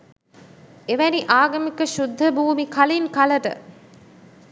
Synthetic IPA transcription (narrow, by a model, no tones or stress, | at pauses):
eʋæniʔaːɡɐmikəʃud̪ʱːɐbuːmikɐlinkɐlɐʈə̰